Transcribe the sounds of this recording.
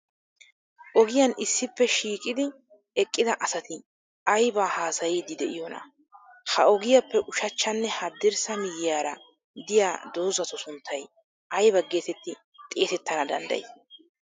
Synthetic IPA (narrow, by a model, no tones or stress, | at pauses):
ʔɔɡɪjɐnʔɪsːɪpːɛʃiːkʼɪd̪ɪ | ɛkʼːɪd̪ɐʔɐsɐt̪ɪ | ɐjbaːhaːsɐjiːd̪ɪd̪ɛʔɪjonɐ̰ | hɐɔɡɪjɐpːɛʔʊʃɐt͡ʃːɐnːɛhɐd̪ːɪɾsɐmɪjɪjaːɾɐ | d̪ɪjaːd̪o̞ːzɐt̪ɔsʊnt̪ʰːɐj | ɐjbɐɡe̞ːt̪ɛt̪ːɪ | t̪ʼe̞ːt̪ɛt̪ːɐnɐd̪ɐ̰nd̪ɐ̰j